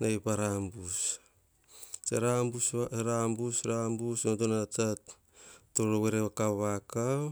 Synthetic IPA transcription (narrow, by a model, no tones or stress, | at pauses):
najpaɾambus | t͡ʃeɾambuseɾambusɾambusnotonatat | toɾoweɾeβakaβaka